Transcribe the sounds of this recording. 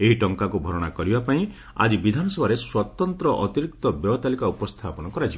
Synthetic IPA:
eɦiʈɔŋkakubʱɔɾɔɽ̃akɔɾibapaĩ | a̰d͡ʒibid̪ʱanɔsɔbʱaɾeswɔt̪ɔnt̪ɾɔʔɔt̪iɾik̚t̪ɔbjɔt̪alikaupɔst̪ʰapɔnɔkɔɾat͡ʃi

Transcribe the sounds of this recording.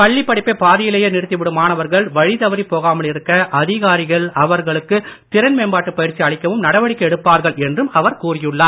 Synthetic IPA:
pɐɭːɪpːɐɽɪpːeːpaːðɪjɪlɐjɐnɪrɯt̪ːɪʋɪɽɯmaːnɐʋɐɾɣɐɭʋɐɻɪt̪ɐʋɐɾipoːɣaːmɐɭɪɾɯkːɐʔɐðɪɣaːɾɪɣɐɭɐʋɐɾɣɐɭɯkːɯt̪ɪɾɐnmeːnbaːʈːɯpːɐjɪɾt͡ʃːiɐɭɪkːɐʋɯmnɐɽɐʋɐɽɪkːɐɛɽɯpːaːɾɣɐɭɛndrɯmɐʋɐɾkuːrɪjɯɭːaːɾ

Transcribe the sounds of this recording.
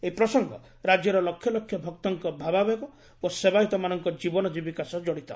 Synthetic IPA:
eipɾɔsɔŋɡɔ̰ | ɾad͡ʒjɔɾɔlɔkʰjɔlɔkʰːjɔbʱɔk̚t̪ɔŋkɔbʱababekɔ | osebaɦit̪ɔmanɔŋkɔd͡ʒibɔnɔd͡ʒibikasɔd͡ʒɔɽit̪ɔ̰

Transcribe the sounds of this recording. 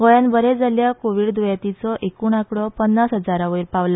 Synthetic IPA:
ɡojanbəɾed͡zaljakoʋiɽd̪ojat̪it͡sɔʔekuːɳakɽɔpənːasɦəd͡zaɾaʋiɾpaʋla

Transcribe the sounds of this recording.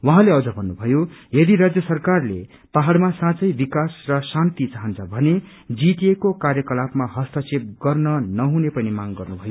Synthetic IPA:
wʌɦãleʌd͡zʌbʱʌnːubʱʌjojʌd̪iɾad͡zjʌsʌrkarlḛ | paɦaɽmasãt͡sʌjbikasrʌsãnt̪it͡saɦʌnt͡sʰʌbʱʌne | d͡zit̪iekokarjʌkʌlapmaɦʌst̪ʌsep̚ɡʌrnʌnʌɦunepʌnimaŋɡʌrnubʱʌjo

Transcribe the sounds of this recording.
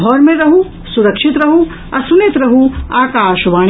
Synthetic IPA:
ɦɔːɾmẽɾɐɦũ | sʊɾɐkʃɪt̪ɾɐɦũ | ɐsʊnɪt̪ɾɐɦũaːkaːʃʋãː

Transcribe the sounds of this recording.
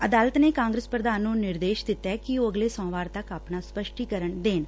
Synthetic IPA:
əd̪aːlət̪neːkãːŋɡɾeːspɾəd̪aːnːũːnɪɾd̪eːʃd̪ɪt̪ːɛːkɪoːəɡleːsɔ̃ːʋaːɾt̪əkaːpnaːspəʃʈiːkəɾəɳd̪eːn

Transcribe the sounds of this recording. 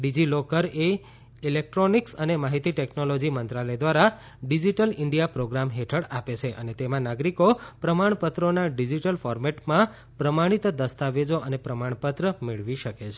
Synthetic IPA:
ɖid͡ʒilokəɾe | ilek̚ʈɾoniksənemaɦit̪iʈeknolod͡ʒimənt̪ɾaləjd̪ʋaɾa | ɖid͡ʒiʈəlɪɳɖijapɾoɡɾamɦeʈʰəɽapet͡ʃʰeʔənet̪emãnaɡɾikopɾəmaɳ̃pət̪ɾonaɖid͡ʒiʈəlfɔɾmɛʈmã | pɾəmaɽ̃it̪d̪əst̪aʋed͡ʒoənepɾəmaɳ̃pət̪ɾəmeɭʋiʃəket͡ʃʰe

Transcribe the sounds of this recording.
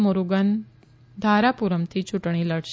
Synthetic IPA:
moɾuɡən | d̪ʱaɾapuɾəmt̪ʰit͡ʃʰuʈɳ̃iləɽʃ

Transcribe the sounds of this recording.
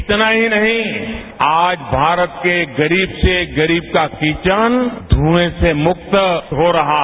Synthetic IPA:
ɪt̪naɦinɐɦĩ | aːd͡ʒbʱaːɾət̪keɡɐɾiːbseɡɐɾiːb̚kakiːt͡ʃənd̪ʱuːesemʊk̚t̪ɦoɾɐɦa

